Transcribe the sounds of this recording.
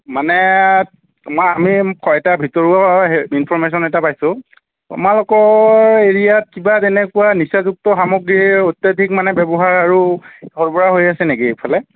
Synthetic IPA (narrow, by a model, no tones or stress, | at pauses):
manɛ | mɔjamikʰɔɛtabʱitɔɹuainpʰɔɹmes̬ɔnɛtapajsʊ̃ | a̰malɔkɔeɹijat̚kibatɛnɛkuwanisazuk̚tɔxamoɡɹiotːadʱik̚manɛbɛbɔɦaɹaɹuɔɹbɔɹaɦojasɛneɡipʰalɛ